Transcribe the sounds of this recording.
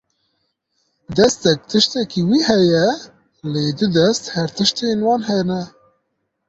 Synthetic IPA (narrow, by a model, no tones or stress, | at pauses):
d̪ɛst̪ɛk̚t̪ʰɨʃt̪ɛkiwiːhɛjɛ | leːd̪ʊd̪ɛst̪hæɾt̪ɨʃt̪eːnwɑːnɦɛnɛ